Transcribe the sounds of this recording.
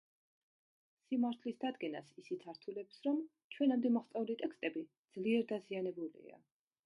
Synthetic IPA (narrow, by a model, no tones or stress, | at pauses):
simaɾt̪ʰlisd̪ad̪ɡɛnasisit̪sʰaɾt̪ʰulɛpsɾɔm | t͡ʃʰwɛnamd̪ɛmaχt̪sʼaulit̪ʼɛkst̪ʼɛbid̪z̥liɛɾd̪azianɛbulḭa̰